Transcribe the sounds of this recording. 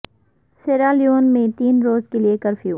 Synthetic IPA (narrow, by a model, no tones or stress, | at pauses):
seːɾaːljoːnmẽt̪iːnɾoːzkeliekɐɾfʰjuː